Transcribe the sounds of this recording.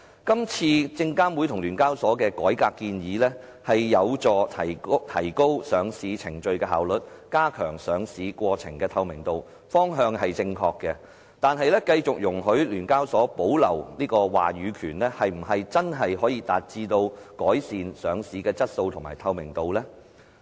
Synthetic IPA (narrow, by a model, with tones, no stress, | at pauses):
kɐ˥mt͡sʰiː˧t͡sɪ˧ŋkaː˥nwuː˨˥jt̪ʰʊ˨˩ŋlyː˨˩nkaː˥wsɔː˨˥kɛː˧kɔː˨˥jkaː˧kːiː˧njiː˨˧lɛː˥ | hɐ˨jːɐ˨˧wt͡sɔː˨˧t̪ʰɐ˨˩t̪ʰɐ˨˩jko˥wsœː˨˧ŋsiː˨˥t͡sʰɪ˨˩ŋt͡ʃɵ˧ɥkɛː˧hɦaː˨wlɵ˨t̚kaː˥kʰœː˨˩ŋsœː˨˧ŋsiː˨˧˥kʷɔː˧t͡sʰɪ̰˨˩ŋkɛː˧t̪ʰɐ˧wmɪ˨˩ŋt̪o˨w | fɔː˥ŋɦœː˧ŋhɐ˨jt͡sɪ˧ŋkʰɔː˧kːɛː˧ | t̪aː˨˧nɦɐ˨jlɛː˥kɐ˧jt͡sʊ˨k̚jʊ˨˩ŋɦɵ˨˥ɥlyː˨˩nkaː˥wsɔː˨˥po˨˥wlɐ˨˩wniː˥kɔː˧wa̰ː˨˩ɥyː˨˧kʰyː˨˩nlɛː˥hɐ˨jm̩˨˩ɦɐ˨jt͡sɐ˥nɦɐ˨jɦɔː˨˥jiː˧t̪aː˨t̚t͡siː˧t̪o˧w | kɔː˨˥jsiː˨nsœː˨˧ŋsiː˨˥kɛː˧t͡sɐ˥t̚so˧wt̪ʰʊ˨˩ŋmaː˨˩jt̪ʰɐ˧wmɪ˨˩ŋt̪o˨wlɛː˥